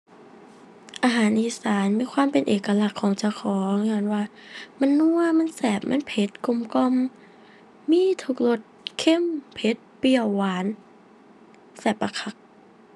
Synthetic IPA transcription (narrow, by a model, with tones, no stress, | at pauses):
ʔaː˧ɦaː˩˦nʔiː˧˩saː˩˦nmiː˧˥˨kʰwaː˧˨mpe˨nʔeː˨˩ka˧la˧˩kʰːɔː˩˦ŋt͡ɕa˧˩wkʰɔː˩˦ŋaː˧˩nwaː˧˩ma˧˥˨nːu˧ɐma˧˥˨nsɛː˨˩p̚mʔa˧˥˨npʰe˧˦t̪̚ku˧˩˨mkɔ˧˨mː | iː˧˥˨t̪ʰu˧˥k̚lo˧˩t̪̚kʰe˧˥˨mpʰe˧˦t̪̚pi˧˩əwːaː˨˦n | sɛː˨˩pːa˧kʰa˧˦k̚